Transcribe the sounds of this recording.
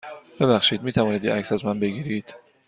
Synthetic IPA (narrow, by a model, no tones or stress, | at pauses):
b̥e̞βæxʃiːd̪miːt̪ʰævɒːniːd̪jḛæcsæzmænbe̞ɡiːɾiːd̪̥